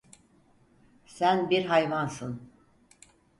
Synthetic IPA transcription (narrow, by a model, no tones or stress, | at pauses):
sænbiɾɦajvansɯn